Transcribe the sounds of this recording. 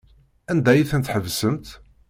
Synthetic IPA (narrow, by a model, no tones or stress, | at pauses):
ænd̪æjiθənt̪ħəvsəmt̪